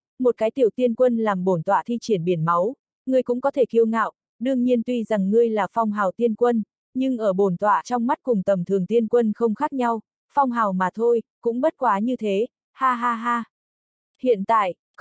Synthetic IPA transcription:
mo˨˩t̚kaː˨˦jt̪i˧˩əwt̪i˧ənkwə˧nlaː˨˩mɓo˧˩nt̪wa̰ː˧˨t̪ʰi˧t͡ɕi˧˩ənɓi˧˩ənma˨˦w | ŋɨ˨˩əjkʊ̰˧˥ŋ͡mkɔ˨˦t̪ʰe˧˩ki˧əwŋa̰ː˧˨wʔ | ɗɨ˧əŋɲi˧ənt̪wi˧za˨˩ŋːɨ˧əjlaː˨˩fɔ˧wŋ͡mɦaː˨˩wt̪i˧ənkwə˧n | ɲɨ˧ŋʔəː˧˩ɓo˧˩nt̪wa̰ː˧˨t͡ɕɔ˧wŋ͡mma˦˥t̚kʊ˨˩ŋ͡mt̪ə˨˩mt̪ʰɨ˨˩əŋt̪i˧ənkwə˧nxə˧wŋ͡mxaː˦˥k̚ɲa˧w | fɔ˧wŋ͡mɦaː˨˩wmaː˨˩t̪ʰo˧jkʊ̰˧˥ŋ͡mɓə˦˥t̚kwaː˨˦ɲɨ˧t̪ʰe˨˦ | haː˧ɦaː˧ɦaː˧ | hḭ˧˨ənt̪a̰ː˧˨jʔ

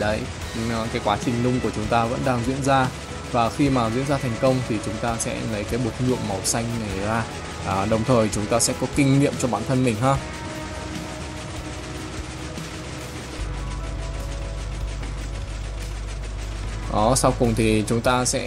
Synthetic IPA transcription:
ə˨˦j | kaː˨˦jkwaː˨˦t͡ɕï˨˩ŋ̟lʊ˧ŋ͡mku˧˩ət͡ɕʊ˨˦ŋ͡mt̪aː˧və̰˧˥nɗaː˧ŋzwḭ˧˥ənzaː˧ | vaː˨˩xi˧maː˨˩zwḭ˧˥ənzaː˧ɛ˨˩ŋ̟kə˧wŋ͡mt̪ʰi˨˩t͡ɕʊ˨˦ŋ͡mt̪aː˧sɛ̰˧˥lə˨˦jkaː˨˦jɓu˨˩ət̚ɲɨ̰˧˨əmmə˨˩wsa˧jŋ̟na˨˩jzaː˧˩ | ʔːɗə˨˩wŋ͡mt̪ʰəː˨˩jt͡ɕʊ˨˦ŋ͡mt̪aː˧sɛ̰˧˥kɔ˨˦kï˧ŋnḭ˧˨əmt͡ɕɔ˧ɓaː˧˩nt̪ʰə˧nmï˨˩ŋ̟ɦaː˧ | ʔɔ˨˩˦sa˧wkʊ˨˩ŋ͡mt̪ʰi˨˩t͡ɕʊ˨˦ŋ͡mt̪aː˧sɛ̰˧˥

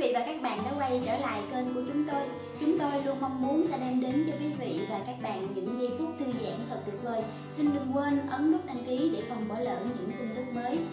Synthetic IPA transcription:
vḭ˧˨vaː˨˩kaː˦˥k̚ɓa̰ː˧˨nɗa̰ː˧˥kwa˧jt͡ɕəː˧˩la̰ː˧˨jke˧nku˧˩ət͡ɕʊ˨˦ŋ͡mt̪o˧j | t͡ɕʊ˨˦ŋ͡mt̪o˧jlu˧ənma˧wŋ͡mmu˨˦ənsɛ̰˧˥ɗɛ˧mɗe˨˦nt͡ɕɔ˧kwi˨˦vḭ˧˨vaː˨˩kaː˦˥k̚ɓa̰ː˧˨nɲɨ̰˧˥ŋzi˧t̪ʰu˦˥ək̚t̪ʰɨ˧əza̰ː˧˩˨ŋt̪ʰə˨˩t̚t̪ɨ˨˩t̚vəː˧˩j | sï˧nɗɨ˨˩ŋkwe˧nʔə˨˦mnʊ˦˥t̚ʔa˧ŋki˨˦ɗe˧˩fɔ˨˩ŋ͡mɓɔ˧˩lə̰ː˧˨nɲɨ̰˧˥ŋkʊ˧ŋ͡mɗɨ˦˥k̚məː˨˦j

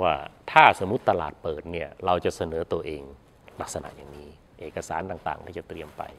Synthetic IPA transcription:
waː˥˩t̪ʰaː˥˩so˩˦mːu˦˥t̪ːa˧la̰ː˨˩t̪̚pɤː˨˩t̪̚ni˥˩ɐɾa˧wt͡ɕa˨˩ʔsa˧nɤː˩˦t̪u˧ɐʔeː˧ŋ | la˦˥k̚sa˧na̰˨˩ʔjaː˨˩ŋmiː˦˥ | ʔeː˨˩kːa˧saː˩˦nt̪aː˨˩ŋt̪a̰ː˨˩ŋt̪iː˥˩t͡ɕa˨˩t̪ɾi˧əmpa̰˧j

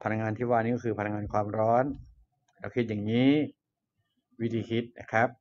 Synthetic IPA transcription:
pʰa˧na˧kŋaː˧nt̪ʰiː˥˩waː˥˧˩niː˦˥kɔː˥˧kʰɯː˧pʰa˧na˧ŋaː˧nkʰwaː˧mɾɔː˦˥n | ɾɛː˦˧˩wkʰi˦˥t̪̚ja˨˩ŋiː˦˥ | wi˦˥t̪ʰiː˧kʰi˦˥t̪̚na̰˦˧˩kʰɾa˦˥p̚

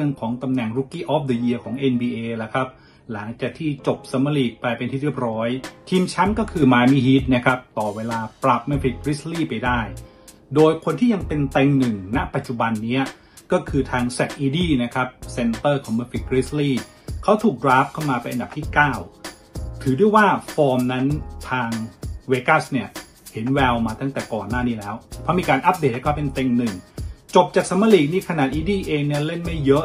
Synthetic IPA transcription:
ɯ˧ŋkʰɔː˩˦ŋt̪a˧mnɛ˨˩ŋɾuː˧˥kiː˥˩ʔɔː˦˥p̚də˧ji˧ɐkʰɔː˩˦ŋʔe˧nbiː˧ʔeː˧la˨˩kʰa˦˥p̚ | la˩˦ŋt͡ɕaː˨˩k̚t̪ʰiː˥˩t͡ɕo˨˩p̚sa˩˧˦ma˧liː˨˩k̚paː˧jpe˧nt̪ʰiː˥˩ɾɯ˥˩əp̚ɾɔː˦˥jt̪ʰiː˧mt͡ɕʰa˦˥mkɔː˥˩kʰɯː˧maː˧jmi˥˩ɦiː˦˥t̪̚na˦˥kʰa˦˥p̚t̪ɔː˨˩weː˧laː˧pɾa˨˩p̚ma˧nfi˨˩t̪̚kɾi˦˥sliː˥˩pa˧jdaː˥˩j | doː˧jkʰo˧nt̪ʰiː˥˩ja˧ŋpe˧nt̪ɛ˧ŋnɯ˨˩ŋna˦˥pa˨˩t̪̚t͡ɕu˨˩ba˧nːi˦˥ɐ | kɔː˥˩kʰɯː˧t̪ʰaː˧ŋsa˨˩t̪̚ʔiː˧diː˥˩na˦˥kʰa˦˥p̚se˧nt̪ɤː˥˩kʰɔː˩˦ŋmaː˧fi˦˩kːɾi˦˥sliː˥˩ | kʰa˦˥wt̪ʰuː˨˩k̚dɾaː˦˥p̚kʰa˥˩wmaː˧pa˧nʔa˧nda˨˩pt̪ʰiː˥˩kaː˥˩w | t̪ʰɯː˩˦du˥˩əjwaː˥˩fɔː˧mna˦˥nt̪ʰaː˧ŋweː˧ka˥˩sni˥˩ɐ | he˩˦nwɛː˧wmaː˧t̪a˥˩ŋt̪ɛː˨˩kɔː˨˩nːaː˥˩niː˦˥lɛː˦˥wpʰɾɔ˦˥miː˧kaː˧nʔa˦˥p̚deː˨˩t̪̚hʰpe˧nt̪e˧ŋnɯ˨˩ŋt͡ɕo˨˩p̚t͡ɕaː˨˩k̚sa˨˦mːa˧li˨˩niː˥˩kʰa˧naː˨˩t̪̚ʔiː˧diː˥˩ʔeː˧ŋni˥˩ɐle˥˩nma˥˩jːɤ˦˥ʔ

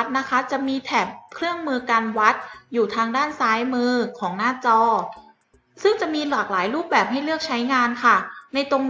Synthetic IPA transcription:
t̪̚na˦˥kʰa˦˥t͡ɕa˨˩ʔmiː˧t̪ʰɛː˨˩p̚kʰɾɯ˥˩əŋmɯː˧kaː˧nwa˦˥t̪̚juː˨˩t̪ʰaː˧ŋdaː˥˩nsaː˦˥jmɯː˧kʰɔː˩˦ŋnaː˥˩t͡ɕɔː˧ | sɯ˥˩ŋt͡ɕa˨˩miː˧laː˨˩k̚laː˩˦jɾuː˥˩p̚bɛː˨˩p̚ɦa˥˩jlɯ˥˩ək̚t͡ɕʰa˦˥jŋaː˧nkʰa˥˩na˧jt̪o˧ŋ

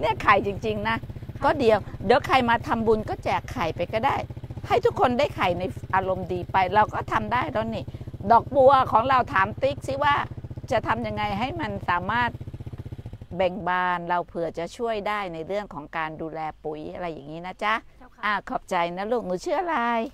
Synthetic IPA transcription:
ni˥˩ɐkʰaː˨˩˦jt͡ɕi˧ŋt͡ɕi˧ŋna˦˥kɔː˥˩di˧əwdi˨˦wkʰa˧jmaː˧t̪ʰa˧mbu˧nkɔː˥˩t͡ɕɛ˨˩kʰːaː˨˩jpa˧jkɔː˥˩daː˥˩jha˥˩jt̪ʰu˦˥kʰːo˧ndaː˥˩jkʰa˨˩jna˧jʔaː˧ɾo˧mdiː˧pa˧jɾa˧wkɔː˥˩t̪ʰa˧mdaː˥˩jɾɔ˦˥niː˧˥˩dɔː˨˩k̚bu˧ɐkʰɔː˩˦ŋɾa˧wt̪ʰaː˩˦mt̪i˦˥k̚si˦˥˩waː˥˩t͡ɕa˨˩t̪ʰa˧mja˧ŋːa˧jɦa˥˩jma˧nsaː˩˦maː˥˩t̪̚ | bɛ˨˩ŋbaː˧nɾa˧wpʰɯ˨˩ət͡ɕa˨˩ʔt͡ɕʰu˥˩əjdaː˥˩jna˧jɾɯ˥˩əŋkʰɔː˩˦ŋkaː˧nduː˧lɛː˧pu˨˩˦jʔa˧ɾa˧jːa̰˨˩ŋːiː˦˥na˦˥t͡ɕa˦˥ʔaː˧˩kʰɔ˨˩p̚t͡ɕa˧jna˦˥luː˥˩k̚nuː˧˦t͡ɕʰɯ˥˩ʔa˧ɾa˧j

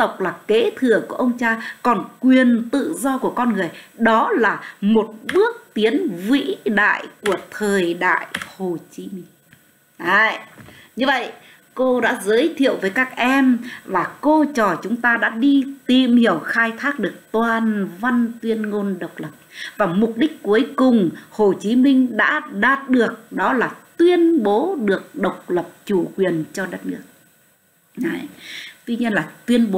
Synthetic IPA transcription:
t̪ə˨˩wk͡p̚laː˨˩ke˨˦t̪ʰɨ˧˩əku˧˩əʔə˧wŋ͡mt͡ɕaː˧kɔ˨˩nkwi˨˩ənt̪ɨ̰˧˨zɔ˧ku˧˩əkɔ˧nŋɨ˨˩əjɗɔ˨˦laː˨˩mo˨˩t̚ɓɨ˦˥ək̚t̪i˨˦ənvḭ˧˥ɗa̰ː˧˨jku˧˩ət̪ʰəː˨˩jɗa̰ː˧˨jho˨˩t͡ɕi˨˦mi˧ŋ̟ | ʔaː˧˨˩jɲɨ˧və̰˧˨j | ko˧ɗa̰ː˧˥zəː˨˦jt̪ʰḭ˧˨əwvəː˨˦jkaː˦˥k̚ʔɛ˧mvaː˨˩ko˧t͡ɕɔ˨˩t͡ɕʊ˨˦ŋ͡mt̪aː˧ɗa̰ː˧˥ɗi˧t̪i˨˩mhi˧˩əwxaː˧jt̪ʰaː˦˥k̚ɗɨ˨˩ək̚t̪waː˨˩nva˧nt̪wi˧ənŋo˧nɗə˨˩wk͡p̚lə˨˩p̚vaː˨˩mʊ˨˩k͡p̚ɗï˦˥k̟̚ku˨˦əjkʊ˨˩ŋ͡mho˨˩t͡ɕi˨˦mï˧ŋ̟ɗa̰ː˧˥ɗaː˨˩t̚ɗɨ˨˩ək̚ɗɔ˨˦laː˨˩t̪wi˧ənɓo˨˦ɗɨ˨˩ək̚ɗə˨˩wk͡p̚lə˨˩p̚t͡ɕu˧˩kwi˨˩ənt͡ɕɔ˧ɗə˦˥t̚nɨ˦˥ək̚ | a˧˨˩jt̪wi˧ɲi˧ənlaː˨˩t̪wi˧ənɓo˨˦

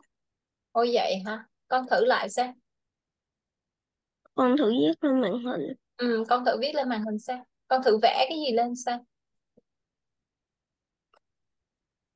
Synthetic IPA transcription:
ʔo˧jvə̰˧˨jɦaː˧˩ | kɔ˧nt̪ʰɨ˧˩la̰ː˧˨jsaː˧w | kɔ˧nt̪ʰɨ̰˧˩˥vi˦˥ət̚le˧nma̰ː˧˨ŋɦi˨˩ŋ̟ | ʔɨ˨˩mkɔ˧nt̪ʰɨ̰˧˩vi˦˥t̚le˧nma̰ː˧˨˩nhï˨˩ŋ̟saː˧ | kɔ˧nt̪ʰɨ̰˧˩vɛ̰˧˥kaː˨˦jzi˨˩le˧nsaː˧w

